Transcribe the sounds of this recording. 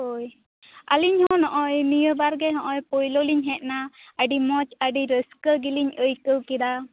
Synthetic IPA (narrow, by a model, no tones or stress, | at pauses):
oj | əliɲhɔ̃nɔʔɔjmijəbaɾɡɛɦɔ̃ʔɔjpɔjlɔliɲɦɛt̪̚naəɖimɔt͡ʃəɖiɾəskəɡiliɲəjkəwkid̪a